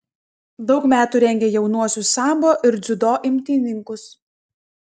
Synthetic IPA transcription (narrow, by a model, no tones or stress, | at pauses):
d̪ɒʊkmʲæːt̪uːɾʲɛŋʲɡʲeːjɛʊnuɔsʲʊssɑːmboːʔɪɾd̪zʲʊd̪oːʔɪmʲt̪ʲiːnʲɪŋkʊs